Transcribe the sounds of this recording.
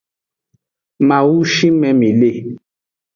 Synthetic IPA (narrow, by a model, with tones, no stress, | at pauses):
ma˨wu˦ʃi˦mɛ˨mĩ˨le˦˨